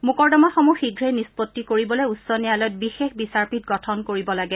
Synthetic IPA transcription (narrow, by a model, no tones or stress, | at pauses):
mukɔɹdɔmɔxɔmuxiɡʱɹenispɔtːikoɹibɔlɔjutsɔnijalɔjɔt̚bixexbisaɹpitɡɔtʰɔnkoɹibɔlaɡɛ